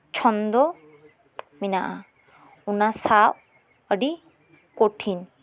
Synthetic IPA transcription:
t͡ʃʰɔnd̪ɔ | minaʔa | unasaʔ | əɖi | koʈʰin

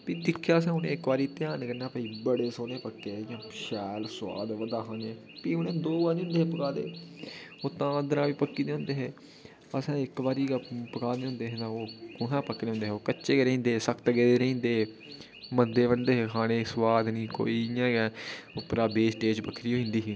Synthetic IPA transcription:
piːd̪ɪkʰjaːəs̬ãːʊnḛːɪkʋaːɾiːt̪ɪjaːnkənaːpəiːbəɽeːsoːneːpəkːeːjãːʃɛːlsʊwa̰ːd̪ʋəd̪aːkãːne | piːʊnẽːd̪oːbaːɾĩːʊ̃nd̪eːɦːpəkaːd̪ḛː | oːt̪ãːd̪əɾãːʋiːpəkːiːd̪eːɦʊ̃nd̪eːɦeː | əsãːɪkʋaːɾiːɡapəkaːd̪eːɦʊ̃nd̪eːɦẽt̪ãːoːkʊɦãːpəkːd̪eːʊ̃nd̪eːɦːoːkətːʃeːɡeːɾĩːnd̪eːsəkʰt̪ɡeːd̪eːɾəĩːnd̪eː | mənd̪eːbənd̪eːɦeːkʰaːɽ̃eːswaːd̪nĩːko̰ːiːjãːɡɛ̃ːʊpɾaːbeːsʈeːd͡ʒpəkʰːɾiːɦoːɪ̃nd̪iːɦiː

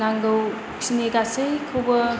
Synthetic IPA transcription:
aŋɡɐw | sineɡasejkʰowbɐ

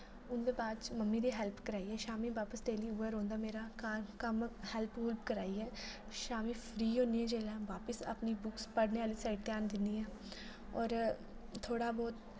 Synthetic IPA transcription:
ʊnd̪eːbaːd̪t͡ʃməmːiːd̪iːɦɛlpkəɾaːiːɛːʃaːmiːʋaːpəst̪eːliːuːɛːɾõːnd̪aːmeːɾaːkaːɾkəmhɛlpɦuːlpkəɾaːiːɛː | ʃaːmĩːpʰɾiːɦõːnd̪iːɛ̃ːd͡ʒeːlãːʋaːpəsa̰pniːbʊkspəɽneːʋaːliːsaːɪʈ̚t̪eaːnd̪ɪnd̪iːɛː | ɔːɾ | t̪ʰːoːɽaːbɔːt̪

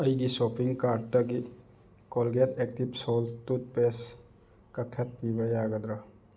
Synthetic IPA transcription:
əjɡisopiŋkaɾɖtəɡi | kolɡetek̚tibsolt̪ut̪̚pes | kɐt̪ʰɐt̪̚nibəjaɡəd̪ɾa

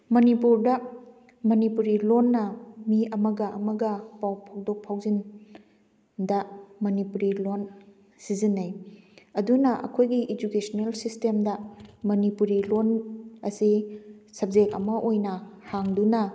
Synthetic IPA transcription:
mɐnipuɾdɐ | mɐnipuɾilonːɐmiɐmɐɡɐʔɐmɐɡɐpawpʰawdok̚pʰawzin | dɐmɐnipuɾilon | sizinːɐjɐdunɐʔɐ̰kʰojɡiʔed͡ʒukesɐnelsistemdɐmɐnipuɾilonɐsisɐb̚zekɐ̰mɐʔojnɐhaŋdunɐ

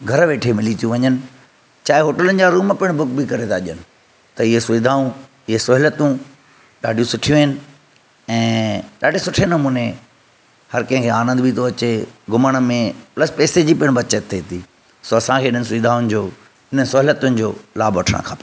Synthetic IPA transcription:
ɡʱɐɾʋeːʈʰemɪlit̪ʰijũʋɐɲənɪ̆ | t͡ɕaːɦeɦoːʈələnɪ̆d͡ʑaɾuːmpɪɽ̃bʱʊkbɪkɐɾet̪ʰaʄənɪ̆ | t̪ɐɪɦesʊʋid̪ʱaːũ | ɪɦesʊɦɪlət̪ũ | ɗaːɖʱijũsʊʈʰijũɪnɪ̆ | ɛ̃ːɗaːɖʱiesʊʈʰenɐmũːne | hɐɾkɐ̃ɦɪ̃ŋkʰeaːnə̃nd̪bʱit̪ʰoɐt͡ɕeɡʱʊməɽ̃mẽplɐspeːsed͡ʑiːpɪɪɽ̃bɐt͡ɕət̪ʰːeːt̪ʰiː | soːɐsãkʰeːɪɗənɪsʊʋiːd̪ʱaːʊnɪd͡ʑoː | ɪnəsʊɦɪlət̪ʊnɪ̆d͡ʑoːlaːbʋɐʈʰə̰ɽ̰̃kʰã̰ːpɐ

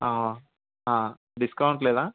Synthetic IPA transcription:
aːɦo | ɦãː | ɖiskɐwuɳʈlɛːd̪aː

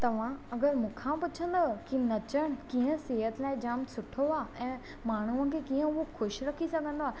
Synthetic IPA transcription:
t̪ɐʋ̤ãɐɡəɾmũːkʰãpʊt͡ɕʰə̃nd̪əkinɐt͡ɕəɽ̃̆kĩːə̃seːɦət̪laːɪd͡ʑaːmsʊʈʰoaːɛ̃ː | maːɳ̤uə̃kʰekiːə̃ʊɦoxʊʃɾɐkʰisɐɡʱə̃nd̪oaː

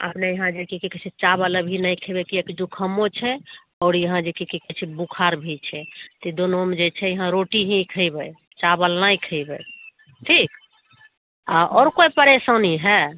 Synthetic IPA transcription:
ə̰pnejəɦãd͡ʒekikikɛt͡ʃʰɛt͡ʃabələbʱinajkʰebekiekd͡ʒukʰəmːot͡ʃʰɛ | ɔːɾjəɦãd͡ʒekikikɛt͡ʃʰɛbukʰaɾbʱit͡ʃʰɛt̪id̪onomed͡ʒet͡ʃʰɛjəɦãɾoʈiɦĩkʰəjbɛ | t͡ʃabəlnaikʰəɪbɛ̰ | ʈʰik | aʔɔːɾkojpəɾesəniɦɛ

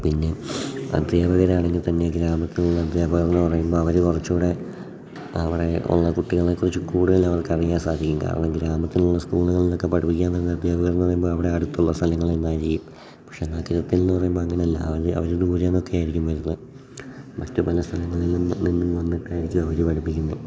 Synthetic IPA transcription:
pinːe̞ɐ̰d̪ʱjaːbɐɣɐɾaːɳeŋɡilt̪ɐnːe̞ɡɾaːmɐt̪ːinuɭːɐːd̪jaːbɐɣɐɾenːɨpɐrɐjumbo̞ːɐʋɐɾukurɐt͡ɕːuʋɽe̞ | ɐʋire̞ṵɭːɐkuʈːiɣɐɭekːurɐt͡ɕːɨkuːɽuɣɐlːɐʋɐrkɐrijaːnsaːd̪ʱikʲːumka̰ːrɐ̰ɳɐmɡɾaːmɐt̪ːinuɭːɐskuːɭuɣɐɭilo̞kːe̞pɐɽipːik̬ʲːaːnt̪ɐɾunːɐd̪jaːbɐɣɐɾɐnɨpɐrɐjumboːɐʋiɽe̞ɐɽut̪ːuɭːɐst̪ʰɐlɐŋːɐɭinːaːjiɾiejːum | pɐ̥kʂe̞nːaːkːɐɾɐt̪ːilnːɨpɐrɐjumboɐŋːɐɳeɐlːɐ̰ɐʋɐɾɐ̰ʋɐɾud̪uːɾjenːo̞kːejaːjiɾikʲːumʋɐɾunːɐ | mɐtːɨpɐlɐst̪ʰɐlɐŋːɐɭilːninːimːʋɐnːiʈːaːjiɾikʲːumɐʋɐɾupɐɽipːikʲːunːɐ

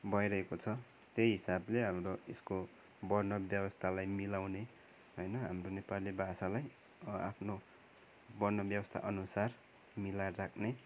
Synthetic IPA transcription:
bʱʌjɾʌɦekot͡sʰʌ | t̪jejɦisableɦamroesko | bʌrnʌbjʌbʌst̪ʰalajmilawne | ɦʌjnʌɦamronepalibʱasalaj | a̰pʰno | bʌrnʌbjʌbʌst̪ʰa̰ʔʌnusar | milarakʰne

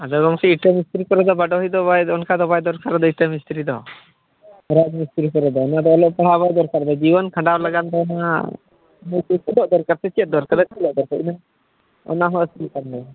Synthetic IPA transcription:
ad̪ɔɡɔmkɛiʈəmist̪ɾikɔɾɛd̪ɔbaɖɔɦijd̪ɔbajɔnkad̪ɔbajd̪ɔɾkaɾɛd̪ɔiʈəmist̪ɾid̪ɔ̰ | ɾad͡ʒmist̪ɾikɔɾɛd̪ɔːnad̪ɔːlɔʔpɔɽ̤aβajd̪ɔɾkaɾd̪ɔd͡ʒibɔnkʰãɳɖawlaɡand̪ɔːna | mujkikilɔʔd̪ɔɾkaɾt̪ɛt͡ʃɛt̪̚ˀd̪ɔɾkad̪ɔkilɔʔd̪ɔɾkɛina | ɔ̰naɦɔsilkand̪ɔ

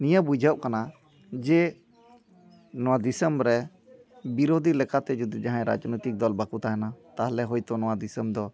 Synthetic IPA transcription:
nijabud͡ʒʱəʔkana | d͡ʒɛ | nɔwad̪isəmɾɛ | biɾod̪ʱilɛkat̪ɛd͡ʒud̪id͡ʒaɦãɛ̃ɾa̰d͡ʒnɔjt̪ik̚d̪ɔlbakut̪akɛnat̪aɦlɛɦɔjt̪ɔnɔwad̪isəmd̪ɔ

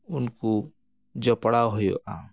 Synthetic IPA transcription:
ʊnku | d͡ʒɔpəɽaːɦʊjo̰ʔa̰ː

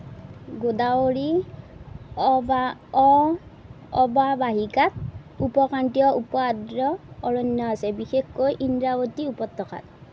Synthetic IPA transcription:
ɡodaoɹi | baɔ | ɔbabaɦikat̪̚ | upɔkantijɔʔupɔadɾɔːɹɔnjɔasɛbixekkojʔindɹabɔt̪iupɔt̪ːɔkʰa̰t̪̚

